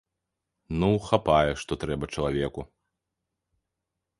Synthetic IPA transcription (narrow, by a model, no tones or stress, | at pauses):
nuxapajɛʂt̪ɔt̪ɾɛbɐt͡ʂɐlˠavʲɛku